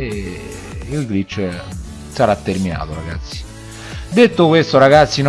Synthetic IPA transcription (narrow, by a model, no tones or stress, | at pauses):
e | ilɡɾit͡ʃː | saɾat̪ːermina̰ːt̪oɾaɡa̰t̪sːi̥ | d̪et̪ːokwest̪oɾaɡat̪sːin